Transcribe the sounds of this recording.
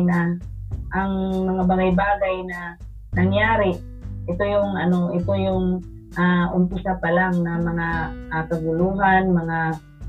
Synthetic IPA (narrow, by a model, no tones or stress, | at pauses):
naʔaŋmɐŋabaɡajbaːɡajna | nɐŋjaːɾɪ | ʔɪt̪ojʊŋʔɐnoʔɪt̪ojʊŋ | ʔaʔʊmpʊsapalaŋnamɐŋaakɐɡʊluːɦanmɐŋa